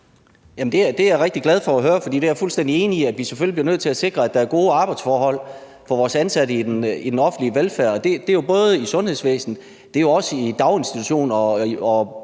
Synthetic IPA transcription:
jæmn̩d̥e̝æd̥e̝æʁeɡ̥̚d̥iɡlæð̞ˠfɒ̽æɦøːɐfɒ̽d̥ḭːd̥e̝æɐfulsd̥en̰d̥ie̝ːniiæ̥ʋiseføljibliɐnøð̰ˠt͡sʰe̝læse̝ɡ̥ʁɐæd̥ɑ̈æɐɡ̥o̝ːəɑ̈ːb̥ɑ̈ɪd̥sfɒːɦɒ̽l̰ | fɒʋɒːsænsæɾəid̥enid̥enɒ̽fn̩dliəʋelfæɐ̰ɒ̽d̥e̝d̥e̝jo̝b̥ɔ̽ːð̞ˠisɔ̽nheð̞̰ˠsʋḛːsn̩ | d̥e̝jo̝ɒ̽səid̥ɑ̈ʊe̝nsd̥it͡sʰuɕo̝̰ːnɒ̽ɒ

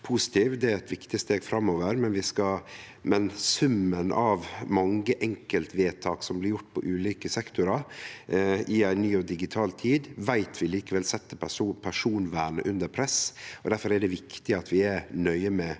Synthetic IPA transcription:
pʰusɪ̥t̪ʰiːʋd̪ɛæɾɛt̪ʋɪkt̪ɪst̪eːɡfɾɑmːoːʋəɾmɛnʋɪskɑ | mɛnsʉmːənʔɑʋmɑŋːəʔɛŋkəlt̪ʋeːt̪ʰɑːksɔmblɪɾjʊʈːpʰɔ̰ʔʉːliːkəsɛkt̪ʊɾɑɾ | ʔɪæɪnyːɔd̪ɪɡɪt̪ʰɑːlt̪ʰiːd̪ʋæɪt̪ʰʋɪliːkəʋɛlsɛt̪ːəpːpʰæʂuːnʋæːɳə̰ʔʉnd̪əɾpʰɾɛsɔd̪æɾfɔɾæɖɛʋɪkt̪ɪɑt̪ʋɪæɾnœʏəmɛ

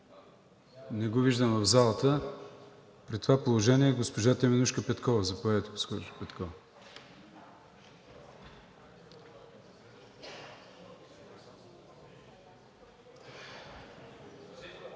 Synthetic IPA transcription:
nɛɡoviʒd̪əmvəvzalˠət̪ə | pɾit̪ovapolˠoʒɛniɛɡospoʒat̪ɛmɛnuʃkəpɛt̪kɔvəzɐpoɛt̪po̥sxɔpɛt̪kɔv

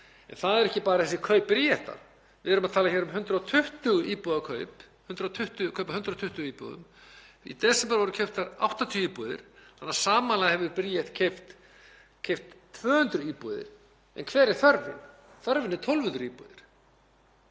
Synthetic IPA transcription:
ɛ̰nθaðɛɾɛhcɪpaːɾaθɛsɪ̥kʰœɥpːɾijɛht̪a̰ɾ̥ | vɪɛɾʏmaðt̪ʰaːlaçɛɾʏmɦʏnt̪ɾaɔt̪ʰʏht̪ʏɣʏʔiːpɔðakʰœ̰ːɥp | hʏnt̪ɾat̪ʰʏht̪ʏkʰœɥpahʏnt̪ɾat̪ʰʏht̪ʏɣiːpɔ̰ðʏ̰mḭt̪ɛsɛmpɛɾvɔɾʏ̥cʰɛɥft̪aɾa̰wht̪ant̪ʰiiːpɔðɪ̰ɾ̥hanːaɾ̥saːmalaðhɛvʏɾpɾiɛt̪cʰeft̪ | cʰejft̪ːʰvœːhʏnt̪ɾʏiːpɔðɪ̰ɾ̥ | ɛ̰nkʰvɛːɾɪɾ̥θœɾvɪ̰n | θœɾvɪnɪɾ̥t̪ʰɔlvʏnt̪ɾʏiːpɔ̰ðɪɾ̥

